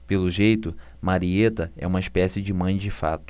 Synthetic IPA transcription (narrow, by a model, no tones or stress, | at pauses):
pelʊʒejt̪ʊ | maɾiet̪ɐɛ̰ũmɐiʃpɛsɪd͡ʒɪmɐ̃j̃d͡ʒɪfa̰t̪ʊ̥